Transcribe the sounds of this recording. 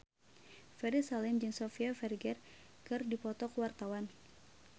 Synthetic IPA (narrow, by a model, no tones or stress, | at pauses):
fɛɾisalɪmd͡ʒɨŋsɔfiafɛrɡɛr | kɨrdipɔt̪ɔkəwart̪awan